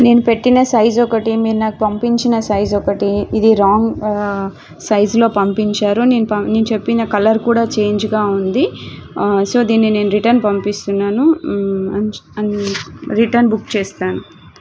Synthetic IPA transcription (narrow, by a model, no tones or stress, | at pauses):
ne̞ːnupe̞ʈːinɐsɐjzɔkɐʈimiːɾunaːkupɐmpiɲt͡ʃinɐsɐjzɔkɐʈiːd̪iɾaːŋɡ | sɐjzlo̞ːpɐmpiɲt͡ʃaːɾune̞ːnupɐneːnut͡ʃe̞pːinɐkɐlɐɾkuːɽaːt͡ʃe̞ːɲd͡ʒɡaːund̪i | so̞ːd̪iːnːine̞ːnuɾiʈɐɾnpɐmpist̪unːaːnuɐɐnɾiʈɐɾnbukt͡ʃeːst̪aːnu